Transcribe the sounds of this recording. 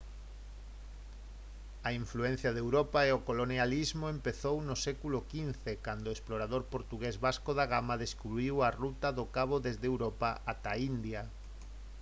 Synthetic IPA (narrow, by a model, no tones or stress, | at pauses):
aiɱfluẽn̟θjaðewɾopaeokolonjalizmoempeθownʊsɛkulʊkinθekand̪oesploɾaðoɾpoɾt̪uɣezβaskoðaɣamaðeskuβɾiwarut̪aðʊkaβoðezðewɾopaat̪aind̪ja